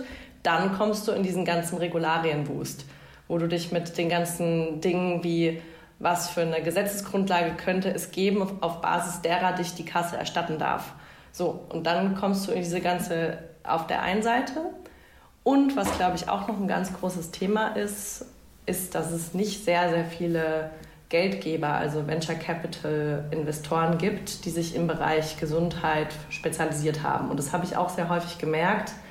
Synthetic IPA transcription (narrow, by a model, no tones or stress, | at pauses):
d̥ankʰɔmst̚d̥uːɪndiːzn̩ɡant͡sn̩ʁeɡulaːʁiənbṵːst | voːduːdɪçmɪtd̥eːnɡant͡sn̩dɪŋənviː | vasfyːɐnəɡəzɛt͡səsɡ̥ʁʊntlaːɡəkʰœntəʔɛsɡ̥eːbm̩ʔaʊfb̥a̰ːzɪsd̥eːʁɐdɪçd̥iːkʰasəɛ̰ɐʃtatn̩da̰ɐf | z̥oːʔʊ̰nt̚d̥ankʰɔmstd̥uːɪndiːzəɡant͡səʔa̰ʊfd̥ḛːɐʔa̰ɪnənzaɪtʰə | ʔʊntv̥asɡ̥laʊbəɪça̰ʊxnɔχn̩ɡa̰nt͡sɡ̥ʁoːsəstʰeːmaʔɪst | ʔɪstd̥asɛsnɪçtz̥eːɐzeːɐfiːlə | ɡ̥ɛltɡ̥eːbɐʔa̰lzovɛnt͡ʃɐkʰɛpɪtʰlʔɪnvɛstʰoːʁənɡiːptd̥iːzɪçɪmbəʁa̰ɪçɡ̥əzʊnthaɪt | ʃpet͡sjaliziːɐtha̰ːbm̩ʊntd̥ashaːbəɪça̰ʊxz̥eːɐɦɔʏfɪçɡ̥əmɛɐkt